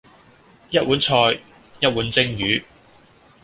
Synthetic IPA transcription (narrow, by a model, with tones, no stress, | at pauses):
jɐ˥t̚wuː˨˥nt͡sʰɔː˧j | jɐ˥t̚wuː˨˥nt͡sɪ˥ŋjyː˨˥